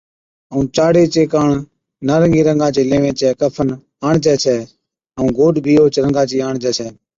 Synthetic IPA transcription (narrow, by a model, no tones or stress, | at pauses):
əũːt͡ʃaːɽeːt͡ʃeːkaːɳ | naːɾəŋɡiːɾəŋɡãːt͡ʃeːlẽːʋẽːt͡ʃɛːkəpʰən | aːɳt͡ʃɛːt͡ʃʰɛː | əũːɡoːɖbʱiːoːt͡ʃɾəŋɡãːt͡ʃiːaːɳd͡ʒɛːt͡ʃʰɛː